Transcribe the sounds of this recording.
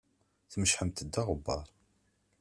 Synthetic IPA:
θməʃħəmt̪əd̪ːaʁəbːɑ̰ɾˤ

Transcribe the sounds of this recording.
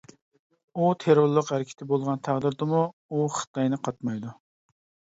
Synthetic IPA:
ut̪ʰeɾoɾlˠəqhæɾɪkʲʰi̥t̪ʰɪbolˠʁɑnt̪ʰæʁd̪ɨɾd̪ɨmuuχɨ̥t̪ʰɑjnɨqʰɑt̪mɑjd̪u

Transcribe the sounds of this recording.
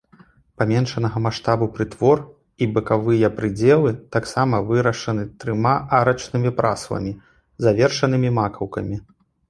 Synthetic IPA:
pamʲɛnʂɐnɐɣɐmaʂt̪abupɾɨt̪vɔr | ibɨkavɨjɐpɾɨd͡zʲɛlˠɨt̪aksamɐvɨɾɐʂɐnɨt̪ɾɨmaʔaɾɐt͡ʂnɨmʲipɾa̰slˠɐ̰mʲi | zavʲɛrʂɐn̪ɨmʲimakɐwkɐ̰mʲi

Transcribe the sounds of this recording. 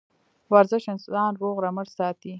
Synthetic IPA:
waɾzɪʃɪnsʊd̪ɑːnɾoɣɾaməɽsɑːt̪i

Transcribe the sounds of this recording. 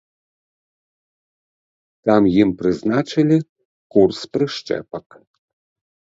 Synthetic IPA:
t̪amjimprɨznat͡ʃɨlʲi | kursprɨʂt͡ʃɛ̰pɐk

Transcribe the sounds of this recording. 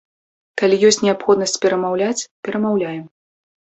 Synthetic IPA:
kalʲijɔsʲt͡sʲnʲɛapxɔd̪nɐsʲt͡sʲpʲɛɾɐmawlʲat͡sʲpʲɛɾɐmawlʲajɛm

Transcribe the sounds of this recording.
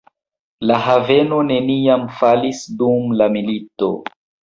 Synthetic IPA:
laɦave̞no̞ne̞niamfalisdumlamilito̞̰

